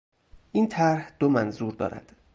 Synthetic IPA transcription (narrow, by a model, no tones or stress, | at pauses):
ʔiːnt̪ʰæɾhd̪̥omænzuːɾd̪ɒ̰ːɾæ̰d̪̥